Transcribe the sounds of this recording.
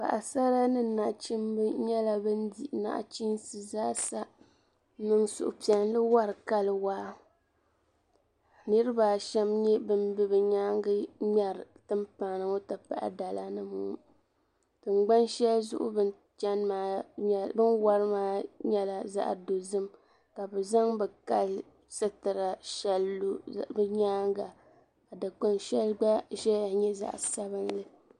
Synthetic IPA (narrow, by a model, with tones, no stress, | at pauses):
pa̰˨ʔa˨sa˦ɾa˦nɨ˦˨na˨ʔt͡ʃi˦mbɨ˦ɲɛ˦la˦bɨ˦ndi˨ʔna̰˦ʔt͡ʃi˦nsɨ˨zaː˦sa˦ | nɨ˦ŋsʊ̰˨ʔʊ̰˨pi˨ɛ˨n˦lɨ˦wa˦ɾɨ˨ka˦lɨ˨waː˦ | nɨ˦ɾɨ˦ba˨ʃɛ˦mɲɛ˦bɨ˦mbɨ˦bɨ˨ɲa˦ŋɡɨ˦ɲɛ˨ɾɨ˨tɨ˦mpa˨nɨ˨ŋo˦ta˨pa̰˨ʔa̰˨da˨la˦nɨ˦muː˦ | tɨ˨ŋ͡mɡ͡ba˦nʃɛ˦lzʊ̰˦ʔʊ̰˦bɨ˦n | t͡ʃa˦nmaː˨˦ɲ˦bɨ˦nwa˦ɾɨ˦maː˦ɲɛ˦la˨za̰˦ʔdo˨zɨ˦m | ka˨bɛ˨za˦ŋbɛ˨ka˨l | sɨ˦tɨ˨ɾa˨ʃɛ˦lːo˦bɨ˦ɲaː˦ŋɡa˨ | ka˨da˨k͡po˦nʃɛ˦lɡ͡ba˦ʃɛ˦ja˨ɲɛ˦za̰˦˨ʔsa˦βɨ˦nlɨ˦